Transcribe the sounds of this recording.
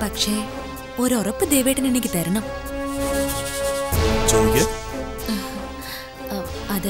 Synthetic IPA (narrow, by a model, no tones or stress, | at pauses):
pɐkʂe̞ | oɾorɐpːɨd̪eːʋejʈːɨninikʲːit̪ɐɾɐɳɐm | d͡ʑowɡe | ɐð